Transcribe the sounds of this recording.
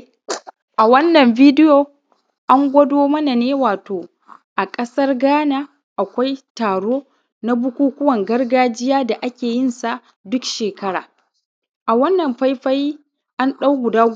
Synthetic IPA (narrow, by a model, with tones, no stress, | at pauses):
ʔa˨wɐ˦nːɐ˨mviː˦dɪ˦joː˨ | ʔa˦ŋɡʷɐ˦doː˦mɐ˦na˨neː˦waː˨toː˨ | ʔa˨kʼɐ˦sɐ˦rɡaː˦naː˦ | ʔa˨kʷa˦jtaː˨ɽoː˦ | na˦bʊ˦kʷuː˦kʷʊ˦wɐ˨ŋɡɐ˦rɡaː˦d͡ʒɪ˦jaː˦da˨ʔa˦kʲeː˨jɪ˦˨nsa˨ʔ | dʊ˦kʃeː˨kɐ˦ɽaː˨ | ʔa˨wɐ˦nːɐ˨mɸa˦jɸa˦jiː˦ | ʔa˦nɗa˦wɡʷʊ˨daː˦